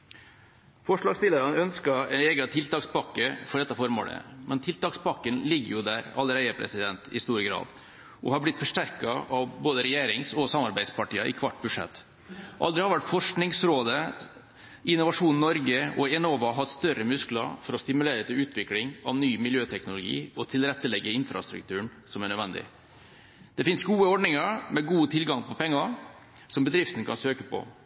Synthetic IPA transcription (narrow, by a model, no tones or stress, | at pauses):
fɔʂɭɑːɡst̪ɪləɾənœnskɑɛnɛːɡɑt̪ʰɪlt̪ɑːkspɑkːəfɔɖɛt̪ːɑfɔɾmo̰ːlə̰mʔɛnt̪ʰɪlt̪ɑːkspɑkːənlɪɡːə̰ɾjʊd̪æːɾɑ̰ləɾæɪəpʰɾɛ̰sɪd̪ɛnt̪ɪst̪uːɾəɡɾɑ̰ːd̪ | ʔɔhɑblɪt̪ːfɔʂʈæɾkɑɑʋboːd̪əɾɛjeːɾɪŋsɔsɑmɑɾbæɪd̪spɑʈiːɑʔɪ̰kʰʋɑʈ̚bʉʂɛ̰t̪ː | ʔɑ̰ld̪ɾɪhɑɾʋæʈːfɔʂknɪŋsɾoːd̪ə | ɪnːʊʋɑʂuːnnɔɾɡəɔɛnoːʋɑɦɑt̪st̪œɾəmʉsklɑ̰fɔɾɔst̪ɪmʉleːɾət̪ɪlʉːt̪ʰʋɪklɪŋɑʋnyːmɪljøːt̪ʰɛknʊlʊɡḭːɔt̪ʰɪlɾɛt̪ːəlɛɡːəɪnfɾɑ̰st̪ɾʉ̰k̚t̪ʰʉːəɳsɔmæɳœd̪ʋɛnd̪ɪ̰ | d̪̥ɛfɪnsɡuːəɔɖɳɪŋəɾmɛɡuːt̪ʰɪlɡɑŋpʰɔpʰɛŋːɑ | sɔmbəd̪ɾɪft̪ənkʰɑnsøːkəpɔ̰